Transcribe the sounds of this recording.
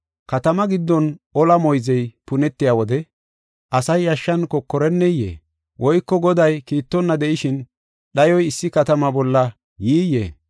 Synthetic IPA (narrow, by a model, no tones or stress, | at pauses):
kɐt̪ɐmɐɡɪd̪ːɔnɔlɐmɔjzɛjpʊnɛt̪ːɪjaːwɔd̪ɛ | ʔɐsɐjɐʃːɐnkɔkːɔɾɛnːɛjːḛː | wʔɔjkːɔɡɔd̪ɐjkiːt̪ːɔnːɐd̪ɛʔɪʃɪn | ɗɐjɔjɪsːɪkɐt̪ɐmɐbɔlːɐ | jiːjːḛː